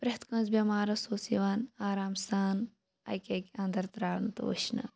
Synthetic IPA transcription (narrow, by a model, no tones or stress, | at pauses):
pɾɐht̪kɐ̃ːzbʲɐmaːɾɐsoːsiʋaːnaːɾaːmst̪aːn | ɐ̰jkʲeːkʲɐ̃nd̪ɐɾt̪ɾaːɾnɐt̪ɐ̰ʋo̰ɕnɐ̰